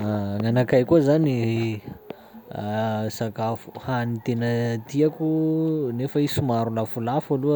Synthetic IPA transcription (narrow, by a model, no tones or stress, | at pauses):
ŋanakajkuzani | sakafuhanit̪enət̪iakʲunefəisumaɾulafulafaluə